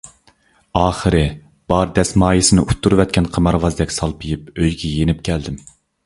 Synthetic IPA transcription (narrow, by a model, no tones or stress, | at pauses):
ɑːχəɾɨ | b̥ɑɾd̪ɛsmɑːjisɪnɪʔut̪ʰːuɾvɛt̪̚ʲkʲɛnqʰəmɑɾvɑzd̪ɛkʲsɑlˠpʰɨjip̚øjɡʲɛjenɪp̚kʲʰɛld̪ɪm